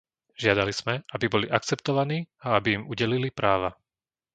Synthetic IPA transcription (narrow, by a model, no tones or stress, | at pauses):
ʒ̥ɪad̪aliz̥mɛabibɔliʔakt͡sɛpt̪ɔʋaniːaabiːmuɟɛlilipɾaːʋa